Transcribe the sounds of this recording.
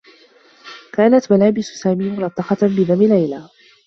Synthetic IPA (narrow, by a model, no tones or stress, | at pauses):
kaːnat̪malaːbɪssaːmiːmʊɾˤɑt̪ˤːɑqɑbɪðamɪlajlaː